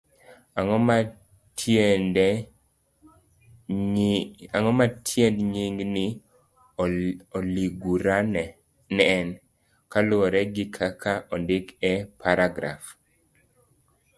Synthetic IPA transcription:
aŋɔma | tnd | aŋɔmatʰjɛndɲiŋɡnɪ | oliɡuɾan | nɛɛn | kalɔɾɛɡɪkʰakʰaʔɔndɪkɛpʰaɾaɡɾa̰f

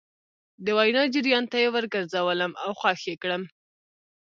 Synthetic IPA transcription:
d̪əwajnɑd͡ʒɪɾjɑnt̪ajewəɾɡəɾzawələmawxwɑxekɽəm

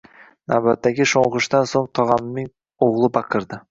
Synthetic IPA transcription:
nabat̪ːaɡʲɪʃoɴʁʊʃd̪ansoŋt̪ʰɒʁɑmnːɪŋ | oʁlˠɪbɑqʰɨɾd̪ɪ

